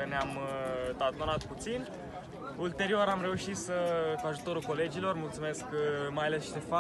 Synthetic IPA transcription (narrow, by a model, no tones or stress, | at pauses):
əneamd̪at̪nonat̪put̪sin | ult̪e̞ɾioɾamɾe̞uʃit̪səkuaʒut̪o̞ɾulko̞le̞d͡ʒilo̞rmult̪sume̞skmajale̞sʃt̪efa